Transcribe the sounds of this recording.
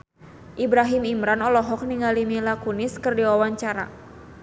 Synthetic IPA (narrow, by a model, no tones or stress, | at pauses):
ʔibɾaɦimimɾanɔlɔɦɔk̚niŋalimilakunɪskɨrdiwawaɲt͡ʃaɾa̰